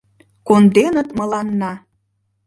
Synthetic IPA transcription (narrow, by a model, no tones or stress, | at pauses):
kond̪enət̪mə̆lɑnːɑ